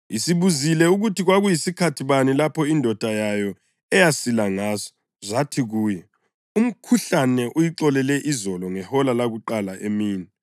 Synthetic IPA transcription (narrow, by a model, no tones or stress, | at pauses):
isiβuzilɛuɣutʰiɣwaɣujisikʰatʰiβanilapʰɔindʱɔd̥ʱajajɔ | ɛjasilaŋaːzɔ̥ | zatʰiɣuːjɛ | um̩kʰuɬanɛʔujiǀɔlɛlɛʔizɔlɔŋɛhɔlalaɣuǃalaʔemiːni